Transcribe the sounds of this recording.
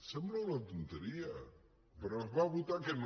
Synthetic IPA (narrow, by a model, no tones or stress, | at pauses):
sɛmblaunat̪unt̪eɾia | peɾɔɦβaβut̪aken